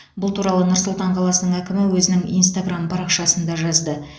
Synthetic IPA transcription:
bʊlˠt̪uɾɑlˠənʊɾsʊlˠt̪ɑɴqʰɑlˠɑsənəɴækʲɪmɪwɵzɪnɪŋḭjnst̪aɡrampʰɑɾɑqʃɑsənd̪ɑʒɑzd̪ə

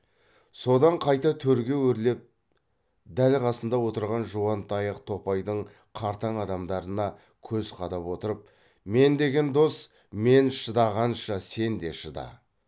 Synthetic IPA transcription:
so̞d̪ɑɴqʰɑjt̪ɑt̪ʰɵɾɡʲe̞wɵɾle̞p̚ | d̪ælqʰɑsənd̪ɑwo̞t̪əɾʁɑnʒuɑnt̪ɑjəqt̪ʰo̞pɑjd̪əɴ | qʰɑɾt̪ɑɴɑd̪ɑmd̪ɑɾənɑ | kʲʰɵzqʰɑd̪ɑpwo̞t̪əɾəp̚ | me̞nd̪e̞ɡʲe̞nd̪o̞s | me̞nʃəd̪ɑʁɑnʃɑse̞nd̪e̞̰ʃəd̪ɑ̰

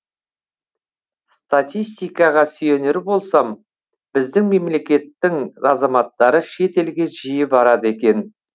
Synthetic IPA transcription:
st̪at̪ʲijst̪ijkɑʁɑsʏje̞neɾbo̞lˠsɑm | b̥ɪzd̪ɪŋme̞mle̞kʲe̞t̪ːɪŋɑzɑmɑt̪ːɑɾəʃe̞t̪e̞lɡʲe̞ʒijɪbɑɾɑd̪əe̞kʲe̞n

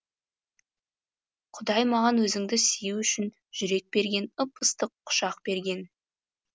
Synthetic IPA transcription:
qʰʊd̪ɑjmɑʁɑnwɵzɪŋd̪ɪsijuʏʃɪn | ʒ̥ʏɾe̞k̚be̞ɾɡʲe̞nəpəst̪əqʰːʊ̥ʃɑqbe̞ɾɡʲe̞n

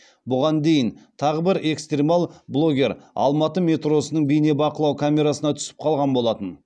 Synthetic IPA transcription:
bʊʁɑnd̪e̞jɪnt̪ʰɑʁəbɪɾe̞kst̪rʲemɑlˠblˠo̞ɡʲe̞ɾɑ̰lˠmɑt̪əmʲe̞t̪ro̞sənəɴbijne̞bɑqəlˠɑwkʰamʲe̞ɾasənɑt̪ʰʏ̥sɪ̥p̚qʰɑlˠʁɑnbo̞lˠɑt̪ən

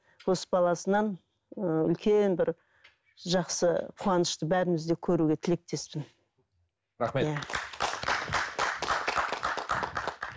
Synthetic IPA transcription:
wo̞sə̥bɑlˠɑsənɑn | əʏ̰lkʲe̞nbɪɾ | ʒɑqsəpʰuɑnəʃt̪əbæɾɪmɪzd̪e̞kʲʰɵɾuɡʲe̞t̪ʰɪle̞k̚t̪e̞spɪn | ɾaχmejæ

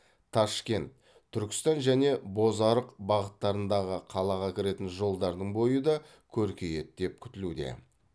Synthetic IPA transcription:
t̪ʰɑʃkʲe̞nt̪ʰː | ʏɾkʲɪ̥st̪ɑnʒæne̞bo̞zɑɾəqbɑʁət̪ːɑɾənd̪ɑʁəqʰɑlˠɑʁɑkʲʰɪɾe̞t̪ɪnʒo̞lˠd̪ɑɾd̪əɴbo̞jəd̪ɑ | kʲʰɵɾkʲe̞je̞t̪̚d̪̥e̞p̚kʲʰʏ̥t̪ɪlud̪e̞̰

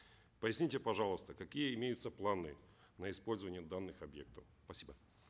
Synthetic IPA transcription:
pəjɪsʲnʲitʲepɐʐalˠəst̪əkɐkʲijəɪmʲejʊt̪səplˠanɨ | nəɪspolʲzəvənʲɪjəd̪anːɨxɐbjek̚t̪əfspɐsʲibə

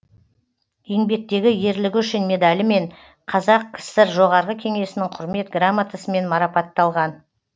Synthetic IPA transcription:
je̞ŋbe̞k̚t̪e̞ɡʲɪje̞ɾlɪɡʲʏʃɪnme̞d̪alʲɪme̞ɴ | qʰɑzɑq̚kʲʰɪ̥sɪɾʒo̞ʁɑɾʁəkʲʰe̞ŋe̞sɪnɪŋqʰʊɾme̞t̪ɡramːat̪ʰasəme̞nmɑɾɑpɑt̪ːɑlˠʁɑn

